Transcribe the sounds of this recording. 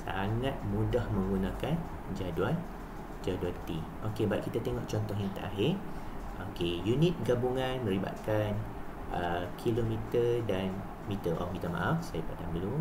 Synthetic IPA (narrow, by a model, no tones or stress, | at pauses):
sa̰ŋat̪̚mũdahmə̃ŋɡunãkan | d͡ʒaduan | d͡ʒaduant̪iʔokebaʔ̪̚kit̪at̪eŋɔʔt͡ʃɔnt̪ɔɦjaŋt̪ə̰ʔaɦɪrʔokejunit̪̚ɡabuŋãnmə̃ɾiba̰t̪̚kan | ʔəkʰilomit̪ədan | mit̪əʔɔ̰fmit̪əma̰ʔafsajapadambəlum